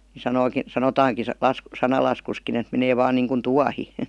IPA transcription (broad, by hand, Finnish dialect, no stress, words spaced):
ni sɑnoiki sɑnotɑːŋki s sɑ lɑsk sɑnɑlɑskuskin et meneː ʋɑːn niːŋkun tuɑhi